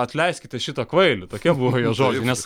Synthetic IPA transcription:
ɐt̪ʲlʲɛɪsʲkʲɪt̪ʲɛʃʲɪt̪ɐkʋɐɪlʲɪt̪oːkʲiɛbuʋoːjoːʒoːɡʲɪnʲɛs

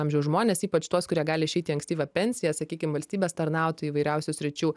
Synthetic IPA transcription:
ɑmʲʒʲɛʊzʒmoːnʲeːsiːpɐt͡ʃt̪uɔskʊɾʲiɛɡɑːlʲɪɪʃʲɛɪt̪ʲiːɐŋksʲt̪ʲiːʋʲɛpʲɛnʲsʲɪjɛsɐkʲiːkʲɪmʋɐlʲsʲt̪ʲiːbʲeːst̪ɐɾnɑˑʊt̪ʲɪiːʋɐɪɾʲɛʊsʲʊsʲɾʲɪt͡ʃʲuː

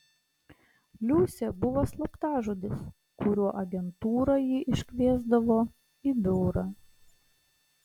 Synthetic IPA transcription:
lʲuːsʲɛbʊʋoslˠɐpt̪ɑːʒud̪ʲɪs | kʊɾʲuɔʔɐɡʲɛnt̪uːɾɐjiːʔɪʃʲkʲʋʲiɛzd̪ɐʋoː | iːb̪ʲʊʊɾɐː

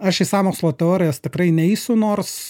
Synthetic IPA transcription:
ɐʃisɑːmoːkslˠoːt̪ʲɛoːɾʲɪjoːst̪ʲɪkrɐɪnʲɛɪsʲʊnoːrs

